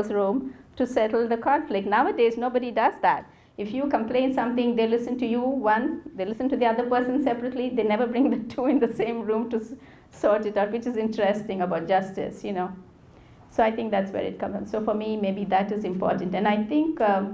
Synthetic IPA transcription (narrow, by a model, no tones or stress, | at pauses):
sɹũmtusɛtl̩ˠd̪əkʰɑ̃nflɪk̚ʈnaʊədeːznoːbəɾidʌzd̪æt̚ | ɪfjukə̃mplẽɪ̃nsʌ̃mt̪ɪ̃ŋd̪eːlɪsə̃ntujuwʌ̃nd̪elɪsə̃ntud̪iʌd̪əpəːsə̃nsɛpɹəʈlid̪eːnɛvəɾbɾɪ̃ŋd̪ətʰuːɪ̃nd̪əsẽɪ̃mɹũːmtu | sɔɹʈɨtatwɪt͡ʃɨzɪ̃ntəɾɛstɪ̃ŋəbaʊt̚d͡ʒʌstɪ̰sjunoʊ | soːaɪt̪ɪ̃ŋk̚d̪ætswɛ̰ːɾɨ̰t̚kʰʌ̃m̃soːfɔmimeɪbid̪ætɪzɪ̃mpɔ̰ːɾʈn̩tɛ̃naɪθɪ̃ŋk